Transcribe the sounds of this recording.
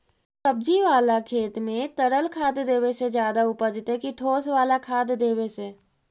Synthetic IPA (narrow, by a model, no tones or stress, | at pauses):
səb̚d͡ʒiʋaːlakʰeːt̪mẽt̪əɾəlkʰaːd̪d̪eːʋesed͡ʒjaːd̪aʊpəd͡ʒɪt̪ɦekiʈʰoːsʋaːlakʰaːd̪d̪eːʋese